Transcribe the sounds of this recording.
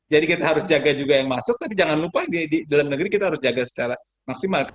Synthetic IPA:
d͡ʒadikit̪aɦaɾʊsd͡ʒaɡad͡ʒuɡajaŋmasʊk̚t̪apid͡ʒaŋanlupadididalamnəɡɾikit̪aɦaɾʊsd͡ʒaɡasə̥t͡ʃaɾa | maksimalk

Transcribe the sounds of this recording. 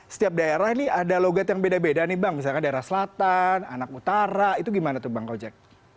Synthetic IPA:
sə̥t̪iap̚daeɾahniadaloɡat̪jaŋbedabedanibaŋmis̬alkandaeɾahsəlat̪ananakut̪aɾait̪uɡimanat̪ubaŋkawd͡ʒak̚

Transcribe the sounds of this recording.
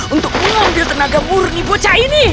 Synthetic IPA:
unt̪ʊk̚muŋambilt̪ənaɡamuɾʊŋibot͡ʃaini

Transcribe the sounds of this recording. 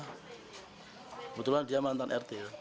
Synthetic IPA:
but̪ulandiamant̪anʔɛrt̪e

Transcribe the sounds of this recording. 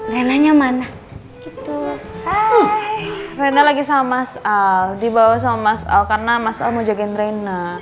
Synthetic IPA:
renaɲamana | ɡit̪u | renalaɡisamamasaldibawahs̬amamasa̰lkarənamasa̰lmod͡ʒaɡɪnrena

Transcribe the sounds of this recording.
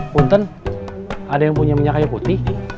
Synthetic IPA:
unt̪ən | adajaŋpuɲaməɲakajaput̪ɪh

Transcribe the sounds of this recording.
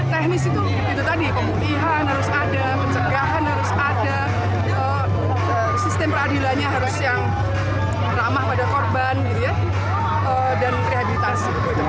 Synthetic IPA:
t̪ɛhnɪsit̪u | ɡit̪ut̪adipəmupiɦanɦaɾʊsadaməɲt͡ʃəɡaɦanhaɾʊsada | ə | ə | sist̪ɛmpərhadilanɲaɦaɾʊsjaŋ | ramahpadakɔrbanɡit̪uja | ə | danpɾiɦabilit̪asik̪ut̪uit̪u

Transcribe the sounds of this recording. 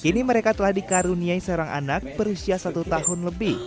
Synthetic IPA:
kiniməɾekat̪əlahdikaɾuniaisəoɾaŋʔa̰nak̚bəɾusiasat̪ut̪ahʊnləbɪh

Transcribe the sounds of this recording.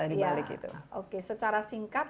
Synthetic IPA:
anijbalɪkḭt̪ṵʔokesət͡ʃaɾasiŋkat̪̚

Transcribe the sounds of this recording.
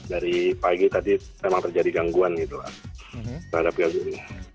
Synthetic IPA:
daɾipaɡit̪adi | memaŋt̪ərd͡ʒadiɡaŋɡuanɡit̪ula̰ | t̪ərhadap̚ɡaɡuni

